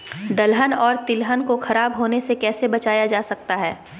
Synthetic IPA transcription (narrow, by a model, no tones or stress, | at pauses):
d̪ɐlɦənɔːɾt̪ɪlɦənkoxɐɾaːbɦoːnesekɛːsebɐt͡ʃaːjad͡ʒaːsɐk̚t̪aɦɛː